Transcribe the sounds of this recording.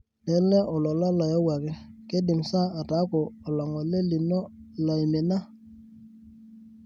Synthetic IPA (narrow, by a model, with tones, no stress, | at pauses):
nɛ˨˦lɛ˦ʔɔ˨lɔ˨la˦la˨jɔ˦wa˨kɛ˦ke˦dɪ˨msa˦a˨ta˨˦kɔː˨la˨ŋɡɔ˨le˦li˨nɔ˦la˨jme˨na˦